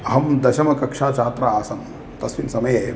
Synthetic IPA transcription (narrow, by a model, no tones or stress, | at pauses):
ɐɦɐmd̪ɐʃɐmɐkɐkʂaːt͡ʃaːt̪ɾɐaːsɐm | t̪ɐsʋinsɐmɐjɐjɐ